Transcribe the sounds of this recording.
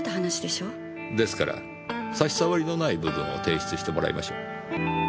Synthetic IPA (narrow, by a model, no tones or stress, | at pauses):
t̪ːaɦanaɕid̪e̞ɕo̞ː | d̪e̞sɨ̥ka̰ɾa̰ | saɕi̥saβaɾʲino̞naibɯ̟bɯ̟̃ɰ̃o̞̰t̪e̞ːɕi̥t͡sɨɕi̥t̪e̞mo̞ɾa̰ḭma̰ɕoː